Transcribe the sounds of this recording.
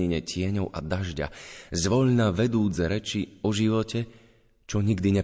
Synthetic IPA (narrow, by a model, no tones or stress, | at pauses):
iɲɛcɪɛɲɔʊʔa̰d̪aʒɟa̰zʋɔʎnaːʋɛd̪uːd͡zɛɾɛt͡ʃiɔʒiʋɔcɛ | t͡ʃɔɲiɡd̪iɲɛ